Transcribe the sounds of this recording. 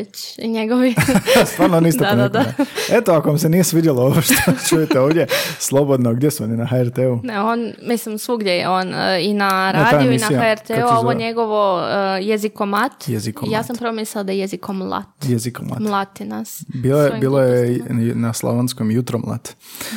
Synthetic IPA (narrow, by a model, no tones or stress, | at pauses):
et͡ɕ | iɲeɡoʋist̪ʋaːɾnonisd̪omet̪aiet̪oakoʋamsenijesʋid̪jalˠooʋoʃt̪ʰot͡ʃujet̪eoːʋdjeslˠo̞bod̪noɡd̪jesuoninaxaeɾt̪euneonmislimsʋuɡd̪jejḛoninaɾtaːd̪aiuisnaijhaaeɾt̪ːuaoʋoɲeɡoʋojezikomat̪jezikkojaːsampɾomisalad̪ajejezikomlˠa̰t̪jezikomla̰tmllˠat̪inasbiːloebiːlojenaslˠo̰ʋanskomjut̪ɾomlˠa̰t̪